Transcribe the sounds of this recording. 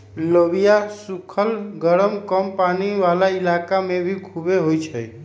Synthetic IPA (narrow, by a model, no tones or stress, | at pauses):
ləbijasukʰəlɡəɾəmkəmpaniʋalailakamebʱikʰubeɦojt͡ʃʰəj